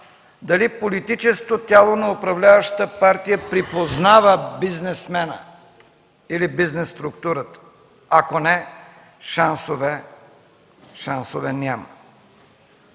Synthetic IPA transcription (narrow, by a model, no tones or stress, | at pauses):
d̪ɐlipolit̪it͡ʃɛsk̪ot̪ʲalˠonɐʊpɾɐvlʲavəʃt̪əpaɾt̪ijəpɾipoznavəbiznɛsmɛnə̰ | ilibiznɛsːt̪ɾʊkt̪uɾət̪ə̥ | akonɛ | ʃansovɛ | ʃansovɛnʲamə